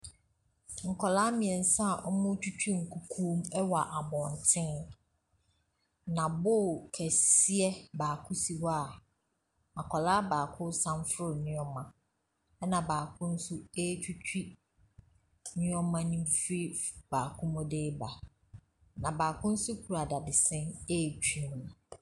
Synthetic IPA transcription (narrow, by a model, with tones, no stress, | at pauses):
ŋ̩˨kʰɔ˨laː˦mɪ̃˨ɛ˨n̩˦sã˦˨ʔɔ˦mʊ̃˦t͡ɕᶣʰu˦t͡ɕʰᶣi˦ŋ̩˨kʰu˦kʰũː˦mɛ˦wa˨ʔa˨bɔ̃˨n˨tʰɪ̃˦n | nã˨bʊ˦˨kʰɛ˨si˦ɛ˦baː˨kʰʊ˦si˨wa˨ | a˨kʰɔ˨laː˦baː˨kʰʊ˦sã˦mfʊ˦ɾʊ˨nɪ̃˦ɔ̃˦mã˨ | ɛ˦nã˨baː˨kʰʊ̃˦n̩˦sʊ˦e˦t͡ɕʰᶣu˦t͡ɕᶣi˦ | nʊ̃˦ɔ̃˦mã˦nĩ˦fi˦baː˨kʰʊ̃˦mʊ̃˦de˦ba˨ | nã˨baː˨kʰʊ̃˦n̩˦sʊ˦kʰu˨ɾa˨da˨dɪ˨sɛ̃˦ne˦˨t͡ɕᶣĩ˨mnʊ̃˨